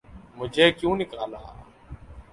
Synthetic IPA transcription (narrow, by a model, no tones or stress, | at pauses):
mʊd͡ʒʱeːkjũːnɪkaːla̰ː